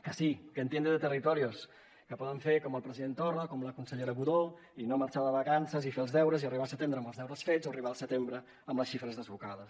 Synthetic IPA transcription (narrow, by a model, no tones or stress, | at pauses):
kəsikənt̪jend̪əðət̪ərit̪ɔɾios | kəpɔðəɱfeɾkɔməlˠpɾəziðent̪ɔrəkɔmləkunsəʎeɾəɣuðo | inoməɾt͡ʃaðəβəkansəzifeəlˠzðɛwɾəziəriβasət̪end̪ɾəməlzðɛwɾəsfezoəriβaəlˠsət̪embɾə | əmləsʃifɾəzðəzβukaðəs